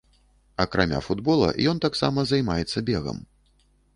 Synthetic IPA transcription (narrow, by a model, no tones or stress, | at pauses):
ɐkɾamʲa̰fud̪bɔlˠɐ̰jɔnt̪aksamɐzajmajɛt̪sːɐbʲɛɣɐ̰m